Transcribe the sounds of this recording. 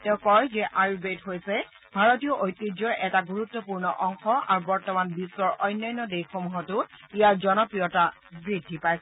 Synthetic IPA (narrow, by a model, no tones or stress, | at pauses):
tɛʊ̃kɔɹzɛʔajubetɦojsɛ | bʱaɹotijɔʔojtːid͡ʒɔʔɛtaɡuɹutːɔpuɹnɔ̰ʔɔŋxɔʔa̰ɹubɔɹtɔmanbisːɔɹʔɔjnːɔjnːɔdejxomuɦɔtʊijaɹzɔnɔpɹijɔta | bɹidʱːipajsɛ